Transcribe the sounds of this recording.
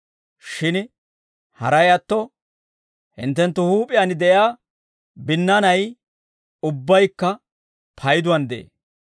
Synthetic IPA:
ʃɪn | hɐ̰ɾɐjɐt̪ːɔ | hɪ̰nt̪ːɛnt̪ːʊhuːpʼɪjɐnɪd̪ɛʔjaː | bɪnːɐnɐj | ʊbːɐjkːɐ | pʰɐjd̪ʊwɐnd̪ɛḛː

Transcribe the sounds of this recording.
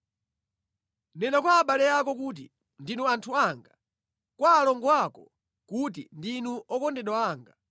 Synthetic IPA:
nɛnakwaːɓalɛjakɔkut̬i | ndinuantʰuaŋɡa | kwaːlɔŋɡɔwakɔ | kutḭndinuʔɔkɔndɛɗwaaːŋɡa

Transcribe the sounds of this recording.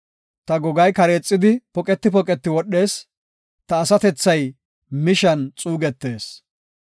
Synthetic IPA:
t̪ɐɡɔɡɐjkɐɾe̞ːt͡sʼːɪd̪ɪpɔkʼɛt̪ːɪpɔkʼɛt̪ːɪwɔɗːe̞ːs | t̪ɐːsɐt̪ɛt͡sːɐj | mɪʃɐnt͡sʼuːɡɛt̪ːe̞ːs

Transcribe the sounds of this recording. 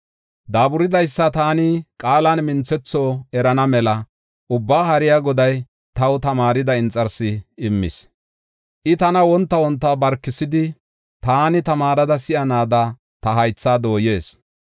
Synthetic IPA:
d̪aːbʊɾɪd̪ɐjsːɐt̪aːnɪkʼaːlɐnmɪnt͡sɛt͡sːoːɛɾɐnɐmɛlɐ | ʔʊbːaːhɐɾɪjaːɡɔd̪ɐj | t̪ɐwt̪ɐmaːɾɪd̪ɐɪnt͡sʼːɐɾsɪːmːɪ̰s | ʔɪt̪ɐnɐwɔnt̪ːɐwɔnt̪ːɐbɐɾkːɪsɪd̪ɪ | t̪aːnɪt̪ɐmaːɾɐd̪ɐsɪʔɐnaːd̪ɐ | t̪ɐɦɐjt͡sːaːd̪o̞ːje̞ːs

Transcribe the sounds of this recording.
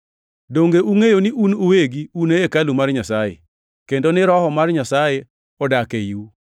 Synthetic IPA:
doŋɡeʔuŋejonɪʔunoweɡiunejekalumarɲasajḛ | kendonɪɾɔhɔmarɲasaje | ɔdakeiu

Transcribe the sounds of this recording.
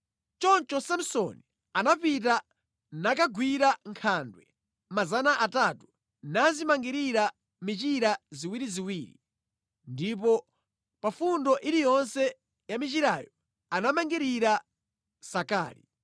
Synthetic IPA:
t͡ʃɔnt͡ʃɔsam̩sɔni | anapita | nakaɡwiɾaŋkʰandwɛ̰ | mazanaʔatatu̥ | nazimaŋɡiɾiɾa | mit͡ʃiɾaziwiɾiziwiːɾḭ | ndip̬ɔ | pafundɔʔiɾijɔnsɛ | jamit͡ʃiɾajɔ | anamaŋɡiɾiɾa | saka̰ːlḭ

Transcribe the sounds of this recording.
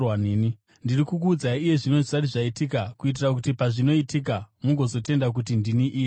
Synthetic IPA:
waneni | ndirikukuːd͡zaiije̞ʐino̞zisariʐaitikakuit̬irak̬utipaʐino̞itik̬amuɡʱo̞zo̞te̞ndak̬ut̬indiniʔiːje

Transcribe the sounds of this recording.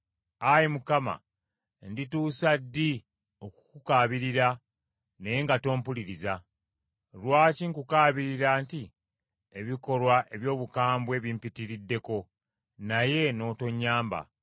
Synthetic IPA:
ajimukama̰ | ndituːsadːi | o̞ku̥kukaːβiɾiɾa | neeŋɡato̞ːmpuliɾiza | lwaːciŋkukaːβiɾiɾaːnti | e̞βiko̞lwaʔe̞βjo̞ːβukaːmbwe̞βimpitiɾidːe̞ko̞ | naje̞no̞ːto̞ɲːaːmba̰

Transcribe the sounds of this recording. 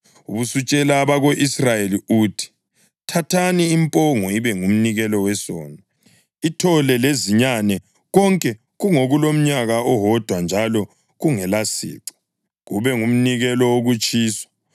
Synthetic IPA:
ṵβusut͡ʃʼɛlaːβaɣoʔisrajeliutʰi̥ | tʰatʰaniːmpʼɔŋɔiβɛŋum̩niɣɛlɔwɛsɔ̰ːna | itʰɔlɛleziɲanɛ | ɣɔŋkʼɛ | ɣuŋoɣulom̩ɲaɣaɔɦɔd̥ʱwand͡ʒʱalɔ | ɣuŋɛlasḭːǁɔ̥ | ɣuβɛŋum̩niɣɛlɔoɣut͡ʃʼiːswḁ

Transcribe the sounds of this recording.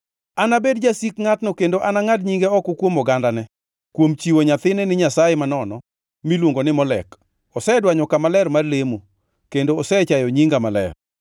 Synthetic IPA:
anabedd͡ʒasikŋatnokendoʔanaŋadɲiŋɡeɔkɔkwomɔɡandanɛ | kwomt͡ʃiwoɲat̪ɪnɛnɪɲasajemanɔnɔ | milwoŋɡonɪmɔlɛ̰k | ɔsɛdwaɲɔkamalɛrmarlemo | kendoːsɛt͡ʃajɔɲiŋɡamalɛ̰r

